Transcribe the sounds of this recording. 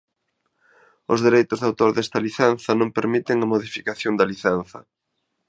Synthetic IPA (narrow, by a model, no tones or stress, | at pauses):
ʊzðeɾejt̪ʊzðawt̪oɾðɛst̪ɐliθɛn̟θɐnõmpeɾmit̪ɪŋɐmoðifikaθjond̪ɐliθɛn̟θɐ̰